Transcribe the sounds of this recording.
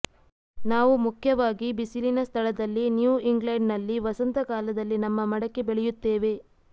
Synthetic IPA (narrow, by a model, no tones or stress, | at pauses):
naːʋumukʰjɐʋaːɡibisilinɐst̪ʰɐɭɐd̪ɐlːinjuːiŋɡlɐɳɖnɐlːiʋɐsɐnt̪ɐkaːlɐd̪ɐlːinɐmːɐmɐɽɐkːe̞beɭɛjut̪ːeːʋe̞